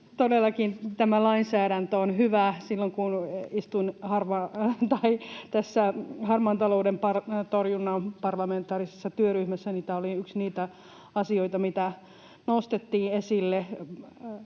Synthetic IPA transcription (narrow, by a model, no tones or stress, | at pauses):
t̪odelːɑkint̪æmælɑinsæːɾænt̪øonhyʋæsilːoŋkunist̪uinhɑrʋɑt̪ɑit̪æsːæhɑrmɑnt̪ɑloudempɑrt̪orjunːɑmpɑrlɑment̪ˑɑːrisesːɑt̪yøryhmæsːæniːt̪æoliyksniːt̪æ | ɑsioit̪ɑmit̪æ | nost̪et̪ːiːesilːe